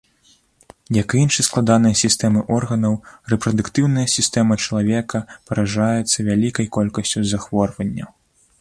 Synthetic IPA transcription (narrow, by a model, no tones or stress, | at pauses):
jɐkinʂɐsklˠad̪anɨjɐsʲist̪ɛmɨʔɔrɣɐnɐwrɛpɾɐd̪ukt̪ɨwn̪ɐjɐsʲist̪ɛmɐt͡ʃɐlˠavʲɛkɐpɐɾaʐajɛt̪sːɐvʲalʲikɐjkɔlʲkɐsʲt͡sʲuzaxvɔrvɐnʲːɐ̰